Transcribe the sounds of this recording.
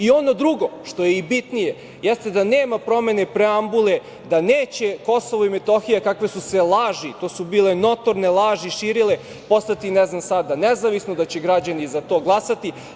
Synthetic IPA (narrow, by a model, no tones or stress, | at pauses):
io̞no̞d̪ɾuɡo̞ʃt̪o̞jeibit̪nije | jɛst̪ed̪aneːmapɾo̞me̞ne̞pɾeambule | d̪aneːt͡ɕeko̞soʋoimet̪o̞xijakakʋesuselˠaːʒit̪oːsubiːleno̞t̪o̞ɾnelˠaːʒiʃiːɾile | po̞st̪at̪inɛznamsad̪anezaʋisnod̪at͡ɕeɡɾad͡ʑanizat̪o̞ːɡlˠasat̪i